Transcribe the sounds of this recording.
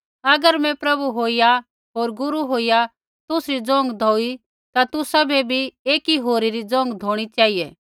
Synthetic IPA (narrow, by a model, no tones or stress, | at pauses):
ɐɡəɾmɛ̃pɾɐbuɦoːija | ɦoːɾɡʊɾuɦoːija | t̪ʊsɾid͡zɔ̃ːŋɡd̪ʱɔːi | t̪at̪ʊsabʱɛbʱieːkiɦoːɾiɾid͡zɔ̃ːŋɡd̪ʱoːɽ̃it͡ʃaːɦiɛː